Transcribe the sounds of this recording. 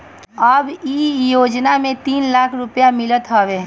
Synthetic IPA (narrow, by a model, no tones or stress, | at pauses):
əbijoːd͡ʒnamẽt̪iːnlaːkʰɾʊpjamɪlət̪ɦoːʋe